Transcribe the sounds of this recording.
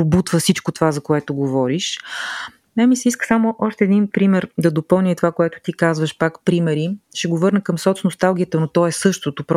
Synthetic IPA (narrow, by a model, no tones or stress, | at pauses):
but̪vəfsit͡ʃkot̪ovazɐkoɛt̪oɡovɔɾiʃ | namisɛiskə̥samoʔɔʃt̪ɛːd̪inpɾimɛɾd̪ɐd̪opɤlˠnʲit̪ovakoɛt̪ʊ̥t̪ikazvəʃpakpɾimɛɾiʃɛɡovɤɾnəkəmsɔt̪snost̪alˠɡʲiət̪ənot̪ɔɛsɤʃt̪ot̪opɾ